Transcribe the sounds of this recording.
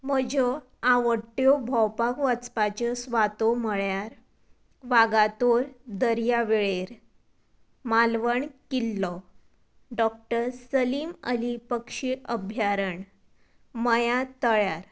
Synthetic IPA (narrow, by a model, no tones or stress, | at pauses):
məd͡ʑɔ | aʋəʈːjobʱɔwpakʋat͡spat͡ɕəsʋat̪oməɭjaɾ | ʋaɡat̪oɾd̪əɾjaʋeɭeɾ | malʋəɳkilːɔ | ɖɔkʈəɾsəliːmə̰lipəkʂiʔəbʱjaɾəɳ | məjat̪əɭjaɾ